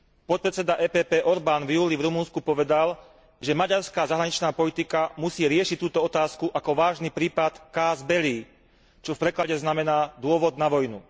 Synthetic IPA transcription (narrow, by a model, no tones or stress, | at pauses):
pɔt̪̚pɾɛt͡sɛd̪aʔɛːpɛːpɛːʔɔɾbaːnvjuːlivɾumunskupɔʋɛd̪al | ʒɛmaɟaɾskaːzaɦɾaɲit͡ʃnaːpɔlit̪ikamusiːɾɪɛʃict̪uːt̪ɔɔt̪aːskuʔakɔʋaːʒnipɾiːpat̪kaːzbɛliː | t͡ʃɔfpɾɛklaɟɛznamɛnaːd̪ʊɔʋɔd̪naʋɔjnu